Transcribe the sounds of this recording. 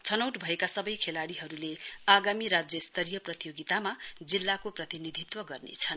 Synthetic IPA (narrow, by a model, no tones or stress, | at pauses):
t͡sʰʌnʌwʈbʱʌekasʌbʌjkʰelaɽiɦʌɾuleaɡamiɾad͡zjʌst̪ʌɾijʌprʌt̪ijoɡit̪amad͡zilːakoprʌt̪inid̪ʱit̪wʌɡʌrnḛt͡sʰʌn